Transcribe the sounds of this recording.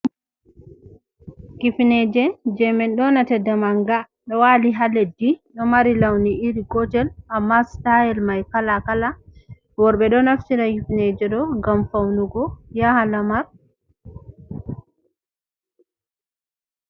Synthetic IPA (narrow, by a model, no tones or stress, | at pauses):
kifnɛd͡ʒɛd͡ʒɛmɛnɗɔnatɛdamaŋɡa | ɗɔwaliɦaledːiɗɔmaɾilawniʔiɾiɡɔtɛlʔamːastajɛlmajkalakala | wɔɾɓɛɗɔnaftiɾaɡifnɛd͡ʒɛɗɔɡamfawnuɡɔjahalamaɾ